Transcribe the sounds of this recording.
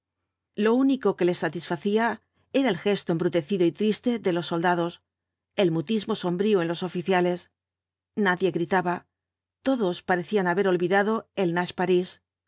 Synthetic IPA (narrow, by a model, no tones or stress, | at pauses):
lo̞uniko̞ke̞le̞sːat̪isfaθia | e̞ɾae̞lxe̞st̪o̞embɾut̪e̞θiðo̞it̪ɾist̪e̞ðe̞lo̞sːo̞ld̪aðo̞s | e̞lmut̪izmo̞so̞mbɾiue̞nlo̞so̞fiθjale̞s | naðje̞ɣɾit̪aβa | t̪o̞ðo̞spaɾe̞θianaβe̞ɾo̞lβiðaðo̞e̞lnaʃpaɾis